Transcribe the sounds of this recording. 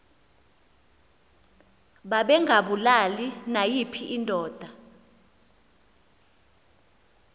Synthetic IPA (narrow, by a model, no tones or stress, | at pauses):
ɓaɓɛŋɡʱaɓulalinajipʰiʔindʱɔːd̥ʱa